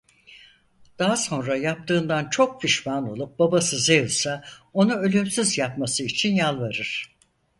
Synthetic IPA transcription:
d̪̥aɦaso̞nɾajap̚t̪ʰɯːnd̪ant͡ʃʰo̞k̚fiʃmano̞lˠup̚babasɯzejɯsao̞nuø̞lʲymsyzjapmasɯit͡ʃʰinjalˠvaɾɯɾ̥

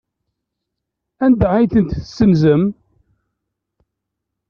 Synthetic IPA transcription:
ænd̪ʕajθənt̪θəsːənzəm

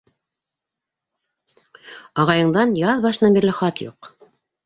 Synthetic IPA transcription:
ɑʁɑjɤ̆ɴd̪ɑnjɑðbɑʃɤ̆nɑbiɾlɘχɑt̪juq

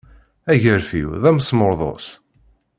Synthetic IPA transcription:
æʝəɾfḭwðæmsmʊɾðˤo̰s

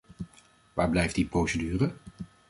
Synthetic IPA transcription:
ʋaːɹblɛjftdiprowsedyːrə

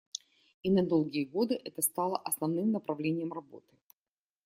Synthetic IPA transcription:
inɐd̪o̞lˠɡʲɪjəɡo̞d̪ɨʔɛt̪əst̪ɑlˠəʔɐsnɐvnɨmnəpɾɐvlʲenʲɪjəmrɐbo̞̰t̪ɨ̥

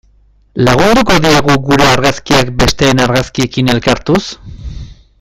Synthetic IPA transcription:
laɣ̞und̪uko̞ðiaɣuɣuɾe̞aɾɣaskiakbe̞st̪e̞ːnaɾɣaskie̞kine̞lkaɾt̪us

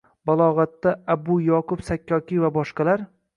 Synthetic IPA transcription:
balˠɒʁɑt̪ːaabʊjɒqʊfsakʲːɒkʲivabɒʃqɑlaɾ

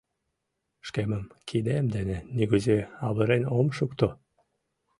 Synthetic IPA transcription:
ʃkeməmkʰid̪emd̪eneniɣuzeɑβəɾenomʃukt̪o

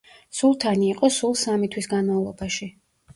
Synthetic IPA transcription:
sulˠt̪ʰaniːqʼɔsulˠsamit̪ʰwisɡanmavlˠɔbaʃi

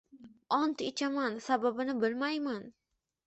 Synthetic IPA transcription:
ɒnt̪ɪt͡ʃʰamansababɪnɪbɪlmajman

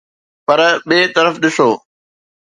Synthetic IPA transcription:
pɐɾɓeːt̪ɐɾəfɗɪsoː

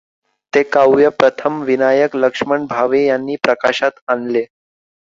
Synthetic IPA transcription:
t̪ekawjəpɾət̪ʰəmʋinajəkləkʂməɳbʱaʋejanːiːpɾəkaɕat̪anle

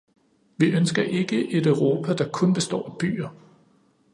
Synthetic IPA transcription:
ʋiʔønsɡ̥ɐʔe̝ɡ̥əʔe̝d̥œʊʁo̝ːpʰæd̥ɑ̈kʰɔ̽nb̥e̝sd̥ɒ̰ːæb̥y̰ːɐ

